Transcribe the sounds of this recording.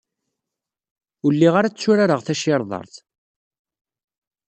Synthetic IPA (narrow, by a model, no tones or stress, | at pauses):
ʊlːiʁaɾat͡sːuɾaɾəʁθæʃɪɾˤðˤɑ̰ɾˤθ